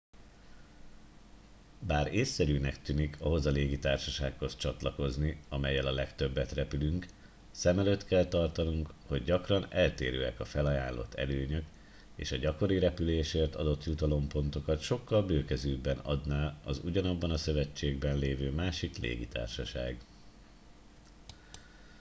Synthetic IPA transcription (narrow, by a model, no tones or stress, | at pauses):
baːɾeːsːɛɾyːnɛkt̪yːnikʰɒɦo̞zɒleːɡit̪aːrʃɒʃaːkho̞st͡ʃɒt̪lɒko̞zniɒmɛjːɛlɒlɛkt̪ø̞bːɛt̪rɛpylyŋk | sɛmɛløt̪kɛlt̪ɒrt̪ɒnuŋkho̞ɟɟɒkrɒnɛlt̪eːɾøːɛkɒfɛlɒjaːnlo̞̰t̪ʰːɛ̰løːɲøk | ḛːʃɒɟɒko̞ɾiɾɛpyleːʃeːrt̪ɒd̪o̞t̪jut̪ɒlo̞mpo̞nt̪o̞kɒt̪ʃo̞kːɒlbøːkɛzøːbːɛnɒ̰d̪naːɒzṵɟɒnɒbːɒnɒsø̞vɛt͡ʃːeːɡbɛnleːvøːmaːʃiklḛːɡit̪a̰ːrʃɒʃa̰ːɡ